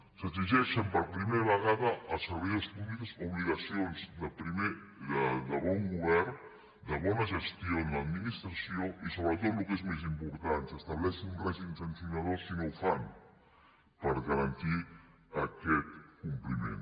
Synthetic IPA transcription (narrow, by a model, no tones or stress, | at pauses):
səiʒɛʃəmpəɾpɾimeɾaβəɣaðəʔːsəɾβejəspuβlikəzuβliɣasionzd̪əpɾime | d̪əd̪əβɔŋɡuβɛɾ | d̪əβɔnəʒəst̪ijonad̪minist̪ɾasjoisoβɾət̪ot̪lukezmezimpuɾt̪ant̪səst̪aβlɛsənuŋɡrazinsənsjunaðoskinowfan | pəɾɣaɾant̪i | akɛt̪kumplimḛ̃n